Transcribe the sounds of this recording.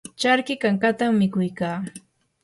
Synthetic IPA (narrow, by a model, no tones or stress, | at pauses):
t͡ʃaɾkɪkaŋkat̪amːɪkʊjkaː